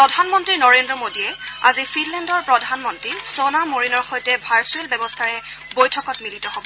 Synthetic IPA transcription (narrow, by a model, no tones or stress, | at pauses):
pɹɔdʱanmɔntɹinɔɹendɹɔmodiɛa̰zifʰinlɛndɔɹpɹɔdʱanmɔntɹisonamoɹinɔɹxojtɛbʱaɹsuelbɛbɔstʰaɹɛ | bojtʰɔkɔtmilitɔhobɔ